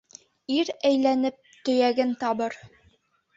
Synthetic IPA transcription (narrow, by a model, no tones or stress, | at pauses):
iɾæjlænɘp̚t̪ɵ̆jæɡɘnt̪ɑβɤɾ